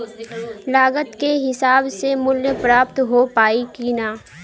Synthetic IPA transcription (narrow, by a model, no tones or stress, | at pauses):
laːɡət̪keɦɪsaːbsemʊljpɾaːpt̪ɦopaːikiːnaː